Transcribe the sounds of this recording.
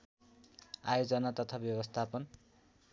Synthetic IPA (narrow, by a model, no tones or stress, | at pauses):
a̰jod͡zʌnat̪ʌt̪ʰabjʌbʌst̪ʰapʌn